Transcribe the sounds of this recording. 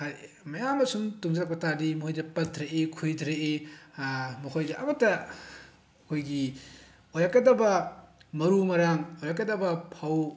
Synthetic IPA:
aɾ | mɐjamɐsumtuŋd͡ʒɐɾak̚pɐtadimojdɐpɐt̚ʰːɾeʔekʰujdɾeʔe | mɐkʰojdɐʔɐmɐtɐ | ɐkʰojɡi | ojɾakɡɐdɐbɐmɐɾumɐɾaŋojɾakɡɐdɐbɐpʰaw

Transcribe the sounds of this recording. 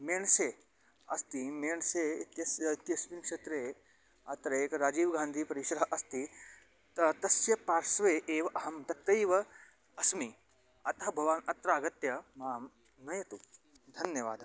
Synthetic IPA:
meːɳse | ɐ̰st̪imeːɳseːit̪jɐsit̪jɐsminkʂet̪ɾeː | ɐt̪ɾɐeːkɐɾaːd͡ʒiːʋɡãːnd̪ʱiːpɐɾiʃɾɐɦɐʔɐst̪i | t̪ɐt̪ɐsjɐpaːɾsʋeːʔeːʋɐʔɐɦɐmt̪ɐt̪ɐjʋɐ | ɐsmi | ɐt̪ɐɦɐbʱɐʋaːnɐt̪ɾaːɡɐt̪jɐmaːm | nɐjɐt̪u | d̪ʱɐnjɐʋaːd̪ʱ

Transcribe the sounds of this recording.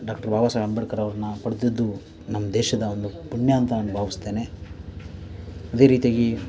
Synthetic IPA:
ɖaːkʈɐɾbʱaːʋaːsaɡɐɳbɐɽkɐɾɐʋɐɾɐnːɐpɐɽit̪id̪ːu | nɐmːɐd̪ɛːʃɐd̪ɐond̪upuɳjaːnt̪ɐɐnːubʱaːʋist̪e̞ːne̞ | ɐd̪e̞ːɾiːt̪ijaːɡi

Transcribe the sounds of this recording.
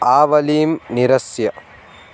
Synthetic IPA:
aːʋɐliːmniɾɐsjɐ

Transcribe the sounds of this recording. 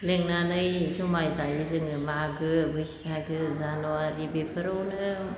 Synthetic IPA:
leŋnanɯjsumajzajizɯŋɯmaɡɯbɯsaɡɯzanuaɾibepʰəɾonɯ

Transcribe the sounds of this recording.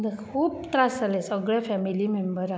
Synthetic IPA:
d̪kʰuːpt̪ɾasalesəɡɭjafɛmilimembəɾa

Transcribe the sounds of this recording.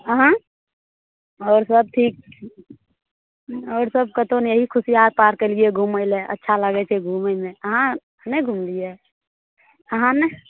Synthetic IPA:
əɦã | ɔːɾsəb̚t̪ʰiːk̚ | ɔːɾsəb̚kət̪onjəɦikʰʊsiaːɾ̚paːɾkelieɡʱuːməɪleʔə̰tːʃʰaləɡɛt͡ʃʰɛɡʱuːməɪmẽəɦã | əneɡʱumlije | əɦãnɛ

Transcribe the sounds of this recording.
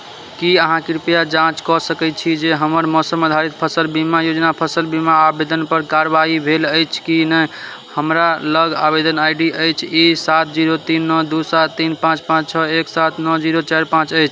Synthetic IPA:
kiəɦãkiɾupjad͡ʒãt͡ʃkɔsəkɛt͡ʃʰid͡ʒeɦəməɾmɔsəməd̪ʱaɾit̪̚pʰəsəlbimajod͡ʒnapʰəsəlbimaːbed̪ənpəɾkaɾbaɦibʱeləjt͡ʃʰkinə | həmɾaləɡabed̪ənajɖiəjt͡ʃʰisat̪̚ʰd͡ʒiɾot̪inːɔd̪usat̪ʰːinpãt͡ʃpãt͡ʃt͡ʃʰəeksat̪ʰnɔd͡ʒiɾot͡ʃaɾpãt͡ʃəjt͡ʃʰ

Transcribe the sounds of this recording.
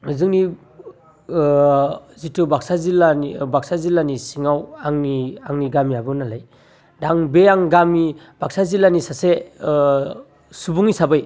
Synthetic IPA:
ŋɯzɯŋni | zitubaksazilanibaksazilanisiŋawaŋniaŋniɡamiabɯnalaj | daŋbeaŋɡami | b̥ak̚sazilanisase | subuŋisabɯj

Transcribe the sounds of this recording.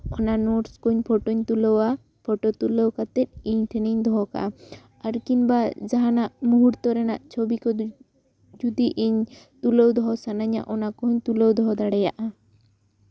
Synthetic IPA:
ɔnanɔʈskuɲpʰɔʈɔɲt̪ulɔwa | pʰɔʈɔt̪uləwkat̪ɛt̪̚ˀiɲt̪ʰɛniɲd̪ʱɔɦɔka̰ | aɾkinbad͡ʒaɦanaʔmuɦuɾt̪ɔɾɛnaʔt͡ʃʰobikɔd̪ | d͡ʒud̪iʔiɲ | t̪uləwd̪ɔɦɔsanaɲa̰ʔɔnakɔɦɔɲt̪uləwd̪ʱɔɦɔd̪aɽɛjaʔa

